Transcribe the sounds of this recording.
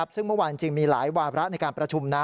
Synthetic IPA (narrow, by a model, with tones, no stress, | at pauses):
p̚sɯ˥˩ŋmɯ˥˩waː˧t͡ɕɯ˧ŋmiː˧la̰ː˩˦jwaː˧ɾa˦˥ʔna˧jkaː˧npɾa˧t͡ɕʰu˧mnaː˦˥